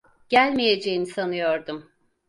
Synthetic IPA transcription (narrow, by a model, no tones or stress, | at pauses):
ɟ̥ælʲmijed͡ʒejinisanɯjo̞ɾd̪um